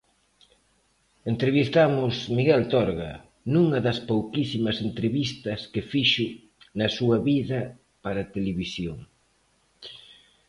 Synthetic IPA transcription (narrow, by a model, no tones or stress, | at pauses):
ent̪ɾeβist̪amʊsmiɣɛlt̪ɔɾɣɐ | nuŋɐðɐspowkisimɐsent̪ɾeβist̪ɐskefiʃʊ | nɐsuɐβiðɐ | paɾɐt̪eleβisjoŋ